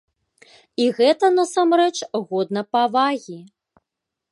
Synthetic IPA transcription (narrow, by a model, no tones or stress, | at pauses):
iɣɛt̪ɐnɐsamɾɛt͡ʂɣɔd̪nɐpavaɣʲi